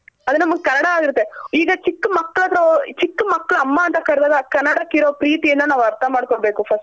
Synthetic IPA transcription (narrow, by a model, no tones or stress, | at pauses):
ɐd̪unɐmːɐɡkɐnːɐɽɐaːɡiɾɯt̪ːeiːɡɐt͡ʃikːmɐkːɐɭɐt̪ɾot͡ʃikːmɐkːɐɭɐmːɐːnt̪ɐkɐɽɛd̪aːɡɐkɐnːɐɽɐkiɾoːpɾiːt̪ijɐnd̪ɐnaːʋɐɾt̪ʰɐmaːɽkɔɭbe̞ːkupʰɐsʈ